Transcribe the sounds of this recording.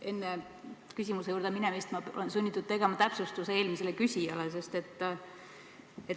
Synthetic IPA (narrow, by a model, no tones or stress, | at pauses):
e̞nːe | kysʲimusejuːɾd̪̥eminɛmist̪mɑo̰lensunʲːit̪ːˑud̪̥t̪e̞ɡ̥e̞mɑt̪æpsust̪useeːlmiselekysʲijɑles̬e̞st̪e̞t̪ːˑ | et̪